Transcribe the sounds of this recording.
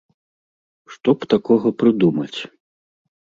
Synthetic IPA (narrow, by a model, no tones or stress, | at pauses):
ʂt̪ɔpt̪akɔɣɐpɾɨd̪umɐt͡sʲ